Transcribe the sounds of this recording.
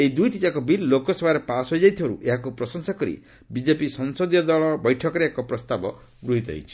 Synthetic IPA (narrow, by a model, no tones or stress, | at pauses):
eid̪ujʈitakɔbilːokɔsɔbaɾepasɦojd͡ʒajt̪ʰibaɾṵʔeɦakupɾɔsɔŋsakɔɾḭ | bid͡ʒepisɔnsɔd̪jɔd̪ɔɭɔbɔjʈʰɔkɔɾeekɔpɾɔst̪abɔ̰ | ɡɾuɦit̪ɔ̰ɦḛjt͡ʃʰi̥